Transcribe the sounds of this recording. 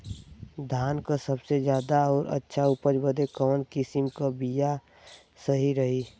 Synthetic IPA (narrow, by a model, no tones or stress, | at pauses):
d̪ʱaːnkasəbsed͡ʒjaːd̪aɔːɾə̰tːʃʰaʊpəɾbəd̪ekɔːnkɪsɪmkabija | səɦiɾəɦi